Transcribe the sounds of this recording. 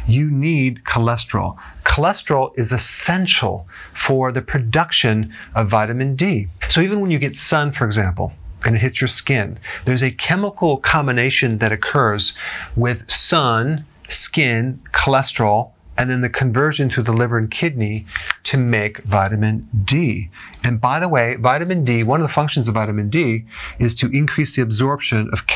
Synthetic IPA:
jɨnid̚kʰəlɛstl̩ˠkʰəlɛstə̥ɹl̩ˠɨzɨsɛ̃nʃl̩ˠfə˞ðɨpʰɹ̥ɨdʌkʃɨ̃nʌvːaɪɾɨmɨ̃nd̥isoʊivɨ̃nwə̃njɨɡɛtsʌ̃nfə˞ɨɡzæ̃mpl̩ˠʔɨ̃ñɨt̚hɪtsjə˞skɪ̃nðə˞zɨkʰɛməkl̩ˠkʰɑ̃mbɨneɪʃɨ̃nðɨɾɨkʰɜ˞zwɪð̥sʌ̃n | skɪ̃nkʰəlɛstɹ̥l̩ˠ | ʔɨ̃nðɨ̃nðɨkʰɨ̃ɱvɜ˞ʒɨ̃nθʉðəlɪvə˞ɨ̃nkʰɪdⁿniɾɨmeɪkvaɪɾɨmɨ̃nd̥i | ɨ̃nbaɪðəweɪvaɪɾɨmɨ̃ndiwʌ̃nʌvðəfʌ̃ŋkʃn̩zʌvaɪɾɨmɨ̃ndiɨz̥tʰɨʔɨ̃nkʰɹ̥isðiɨbzɔɹpʃɨ̃nʔʌ̰v̥k

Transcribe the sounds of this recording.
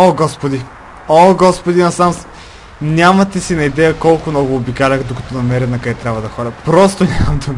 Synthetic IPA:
oɡɔspod̪i | oɡɔspod̪inɐsams | nʲamɐt̪ɛsinɐid̪ɛjəkɔlˠkʊmnɔɡʊːbikalʲəxd̪okɐt̪ɔnɐmɛɾɛnɐkd̪ɛt̪ɾʲabvɐd̪ɐxɔɾɐpɾɔst̪onʲamɐmd̪um

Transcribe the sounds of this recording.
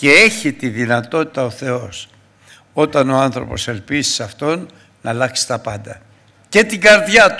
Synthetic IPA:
ce̞e̞çit̪iðinɐt̪o̞t̪i̥t̪ɐoθe̞o̞s | o̞t̪ɐno̞ɐnθɾo̞̰po̞̰se̞lpizisɐft̪o̞nː | ɐlɐksi̥t̪ɐpɐnd̪ɐ | ce̞t̪iɡɐɾðʝɐt̪u

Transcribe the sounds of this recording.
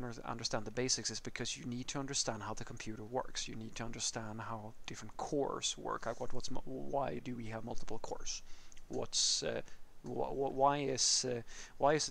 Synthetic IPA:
nə˞ʌ̰̃ndə˞stæ̃nðəbeɪsɨksɨzb̥ɨkʰʌzjɨnid̚tʰɨʌ̃ndə˞stæ̃nd̚ɦaʊðɨkʰm̩pʰj̥ʉɾə˞wɜ̰˞ksjɨnid̚tʰɨʌ̃ndə˞stæ̃nd̚ɦaʊd̥ɪfɹə̃nkʰɔ̰ɹswɜ̰˞kawʌt̚wʌtsmwaɪdɨwiəvmʌlˠtə̥pl̩ˠkʰɔ̰ɹswʌ̰ts | wʌʔwaɪɪz̥waɪɨz

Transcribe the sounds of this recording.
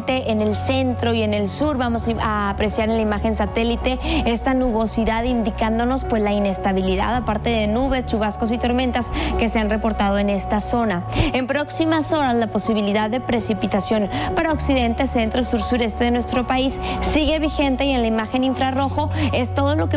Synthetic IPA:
t̪e̞ʔene̞lse̞nt̪ɾo̞ie̞ne̞lsuɾβamo̞saːpɾe̞sjaɾenlaimaxe̞nsat̪e̞lit̪e̞e̞st̪anuβo̞siðaðind̪ikand̪o̞no̞spwe̞zlaine̞st̪aβ̞iliða̰ðapaɾt̪e̞ðe̞nuβe̞st͡ʃuβ̞asko̞sit̪o̞ɾmẽ̞nt̪aske̞se̞anre̞po̞ɾt̪að̞o̞e̞ne̞st̪aso̞nae̞mpɾo̞ksimaso̞ɾaslapo̞siβiliðaðːe̞pɾe̞sipit̪asjo̞npaɾao̞ksiðe̞nt̪e̞se̞nt̪ɾosuɾsuɾe̞st̪e̞ðe̞nwe̞st̪ɾo̞paisːiɣe̞βixe̞nt̪e̞je̞nlaimaxe̞niɱfɾaro̞xo̞e̞st̪o̞ð̞o̞lo̞ke

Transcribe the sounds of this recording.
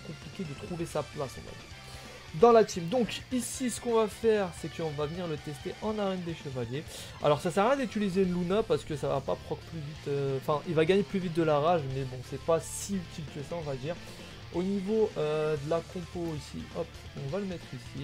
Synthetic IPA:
kɔ̃plikʲed̪ət̪χuvesaplasɔ̰̃va̰d̪ḭʁ | d̪ɑ̃lat̪ʰimd̪ɔ̃kisisə̥kɔ̃vafɛʁsɛkəɔ̃vavəniʁlət̪ɛst̪eʔɑ̃naʁɛnd̪eʃəvalje | a̰lɔʁsasɛʁjɛ̃d̪yt̪ilizeynlunapaʁsə̥kəsava̰pa̰pχɔkplyvit̪øɑ̃fɛ̃ʔilvaɡaɲeplyvit̪̚d̪əlaʁaʒmɛbɔ̃sɛpasiyt̪ʰilkəsaɔ̃vad̪iːʁ | onivoød̪əlakʰɔ̃poisḭɔp | ɔ̃valəmɛt̪χisi

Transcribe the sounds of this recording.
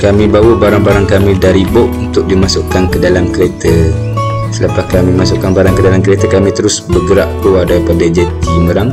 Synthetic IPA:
kamĩbawəbaɾaŋbaɾaŋkamĩdaɾibɔʔunt̪ʊk̚dimasʊʔkankədalamkəɾet̪ə | sələpahkamĩmasʊʔkanbaɾaŋkədalamkəɾet̪əkamĩt̪əɾʊsbəɡəɾaʔkuadaɾipadad͡ʒɛt̪iməɾaŋ

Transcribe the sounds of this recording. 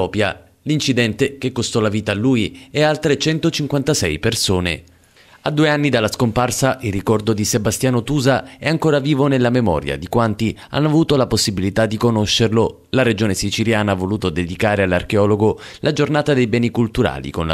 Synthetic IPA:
ɔːpja | lint͡ʃid̪ɛnt̪ek̟ekːost̪ɔlaviːt̪aːlːuːjɛalt̪ɾet͡ʃɛnt̪ot͡ʃiŋkwant̪asɛjpersoːnḛ | ad̪ːuːeanːid̪alːaskomparsaʔilrːikɔrd̪od̪isebast̪jaːnot̪uːzaɛaŋkoːɾaviːvonelːamemɔ̰ːɾja̰d̪ikwant̪ia̰nːoavuːt̪olaposːibilit̪ad̪ːikonoʃːerlo | laɾed͡ʒoːnesit͡ʃiljaːnaavoluːt̪od̪ed̪ikaːɾealːarkeɔːloɡolʔad͡ʒornaːt̪ad̪ejbɛːnikult̪uɾa̰ːlḭkonl

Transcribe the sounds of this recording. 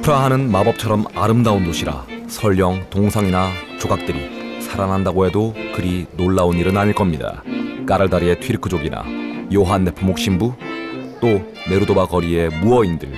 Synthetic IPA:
pʰɯɾaɦanɯnmabʌp̚t͡ɕʰʌɾʌmaɾɯmdaundoɕʰiɾa̰ | sʰʌʎjʌŋtoŋsʰaŋinat͡ɕoɡak̚t͈ɯɾisʰaɾanɦandaɡoɦe̞dokɯɾinoɭːauniɾɯnaɲiɭk͈ʌmɲida̰k͈aɾɯɭdaɾie̞tʰɥiɾkʰɯd͡ʑoɡina̰joɦanːepʰɯmok̚ɕ͈imbut͈o | me̞ɾudobakʌɾie̞muʌindɯ̰ɭ

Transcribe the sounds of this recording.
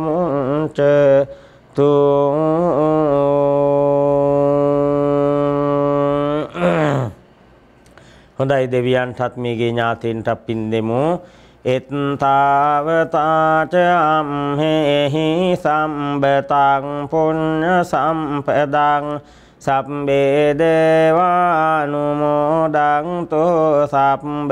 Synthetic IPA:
uʈə | t̪u | hõd̪ajd̪eʋijanʈat̪meːɡeːɲaːt̪iɳʈapːind̪emu | et̪nt̪aːʋət̪at͡ʃəamɦeeɦisambət̪aŋpuoɾəsampəd̪aŋ | sapmbed̪eʋanumod̪aŋt̪osapmb

